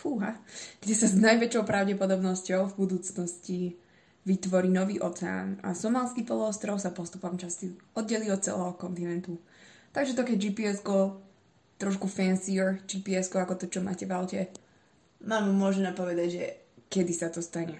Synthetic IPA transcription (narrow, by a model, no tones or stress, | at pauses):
fuɦaɡ̥ɟɛsaznajʋɛt͡ʃɔʊpɾaʊɟɛpɔd̪ɔbnɔscɔʊvbud̪uːt͡snɔsci | ʋit̪ʋɔɾiːnɔʋiːʔɔt͡sɛa̰ːna̰sɔmaːlskiːpɔlˠɔɔst̪ɾɔʊsapɔst̪upɔmt͡ʃast̪iɔd̪̚ɟɛliːɔt̪̚t͡sɛ̰lɛːɦɔkɔnt̪inɛnt̪u | t̪aɡʒɛt̪ɔkɛɟd͡ʒiːpiɛsɡɔ | t̪ɾɔʃkufɛnsiɾd͡ʒipiɛskɔakɔt̪ɔt͡ʃɔma̰ːcɛʋaʊcɛ | maːmmʊɔʒɛnɛpɔʋɛd̪aɟʒɛ | kɛd̪isat̪ɔst̪aɲɛ